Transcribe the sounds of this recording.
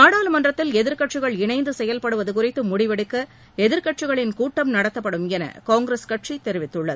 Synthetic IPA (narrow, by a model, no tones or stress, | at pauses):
naːɽaːlmɐndrɐt̪ːɪlɛðɪɾkɐʈt͡ʃːɪɣɐɭɪɳɐɪnd̪ɯsɛjɐlpɐɽɯʋɐðɯkʊrɪt̪ːɯmʊɽɪʋɐɽɯkːɐ | ɛðɪɾkɐʈ̚t͡ʃɪɣɐɭɪnkuːʈːɐmnɐɽɐt̪ːɐpːɐɽɯmɛnɐ̰kaːŋɡɾeskɐʈt͡ʃit̪ɛɾɪʋɪt̪ːɯɭːɐðɯ